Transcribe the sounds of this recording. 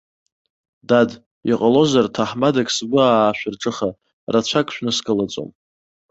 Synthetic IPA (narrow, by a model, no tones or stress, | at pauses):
dad | iqʼalo̞zartʰaħmadakʼsbʷʊaʃʷᶣarʈ͡ʂʼɨχa | rat͡ɕʷʰakʼʃᶣnɨskʼɨlat͡sʼo̰m